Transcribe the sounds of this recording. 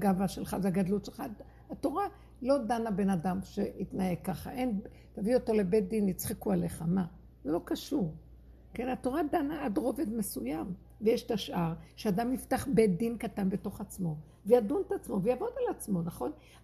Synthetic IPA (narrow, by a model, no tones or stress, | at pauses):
ɡavaʃe̞lχaveaɡadlutʃelχa | ato̞ʁa | lo̞danabe̞nadamʃe̞itnajekːaχa̰ʔe̞n | tavio̞to̞le̞bet̚d̪init͡sχekuale̞χama | zelo̞kaʃuʁ | ke̞nato̞ʁadanaadʁo̞vedme̞sujam | vejeʃtaʃʔaʁʃeadamiftaχbed̪inkatanbe̞to̞χat͡smo̞ | vejaduntat͡smo̞vejavo̞dalat͡smo̞naχo̞n